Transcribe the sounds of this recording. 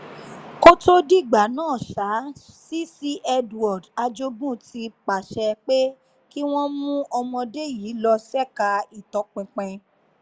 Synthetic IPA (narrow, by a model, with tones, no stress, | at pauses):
ko˦to˦di˦˨ɡ͡ba˨˦nãː˦˨ʃa˨˦si˦si˦ʔɛ˧dɔ˨da˧d͡ʒo˧˦bũ˦˨tʰi˧k͡pa˨ʃɛ˧k͡pe˦ | ki˦w̃ɔ̃˦mũ˦ɔ˧mɔ̃˧de˦˨jiː˨˦lɔ˧sɛ˦ka˧i˨tɔ˨˧k͡pɛ̃˨˧k͡pɛ̃˧